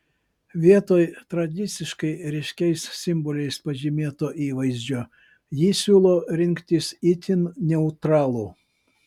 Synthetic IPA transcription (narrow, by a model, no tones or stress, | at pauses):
ʋʲiɛt̪oːjt̪ɾɐd̪ʲɪt̪sʲɪʃkɐɪɾʲɛɪʃʲkʲɛɪssʲɪmbɔlʲɛɪspɐʒʲɪmʲeːt̪oːʔiːʋɐɪzʲd͡ʒʲoː | jiːsʲuːlˠoːɾʲɪŋʲkt̪ʲɪsit̪ʲɪnnʲɛʊt̪ɾɑːlˠu